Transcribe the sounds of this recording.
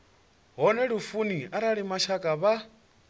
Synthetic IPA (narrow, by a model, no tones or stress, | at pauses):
ɦɔnɛɺufuniaɾaɺimaʃakʼaβa